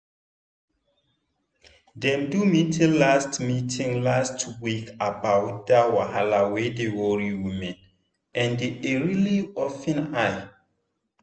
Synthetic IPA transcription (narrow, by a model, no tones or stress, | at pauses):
dɛ̃mdumitʰĩllːastmitʰĩŋlastuwikabawtdawahalawedewɔɹiwimɛ̃n | ɛ̃ndeeɹiliɔfɛ̃naj